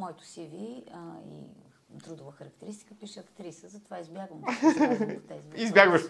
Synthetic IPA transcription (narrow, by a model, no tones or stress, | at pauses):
mɔjt̪ʊ̥siviəḭ | t̪ɾud̪ʊvəxəɾɐkt̪ɛɾist̪i̥kəpiʃɛɐkt̪ɾisəzɐt̪ovaizbʲjaɡvəm | t̪ɛizizbʲjaɡvəʃ